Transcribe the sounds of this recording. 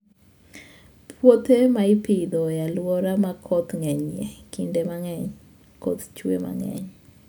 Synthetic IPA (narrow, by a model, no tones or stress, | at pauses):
pʰwot̪emaɪpɪd̪ɔjalwɔɾamakʰɔt̪ŋɛɲɛkɪndemaŋɛɲ | kɔ̰t̪t͡ʃwḛma̰ŋɛ̰ɲ